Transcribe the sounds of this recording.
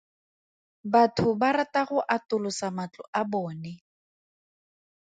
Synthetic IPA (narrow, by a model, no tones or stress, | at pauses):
batʰʊbaɾataɣʊʔatʊlʊsamat͡ɬɔ̰ʔabɔːnɛ